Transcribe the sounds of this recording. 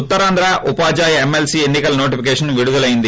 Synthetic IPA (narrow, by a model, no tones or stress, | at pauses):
ut̪ːɐɾaːnd̪ɾaʔupaːd͡ʒaːjɐemːelsienːikɐlno̞ːʈipʰikɛːʂɐnʋiɽud̪ulɐjind̪i